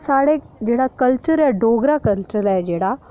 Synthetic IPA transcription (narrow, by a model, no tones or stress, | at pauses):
saɽe | d͡ʑɛɽakəlt͡ɕəɾjaɖʱoɡɾakəntɾəlajd͡ʑɛɽa